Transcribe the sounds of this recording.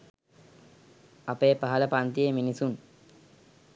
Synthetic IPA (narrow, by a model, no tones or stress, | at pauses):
apeːpaɦələpant̪ieminisun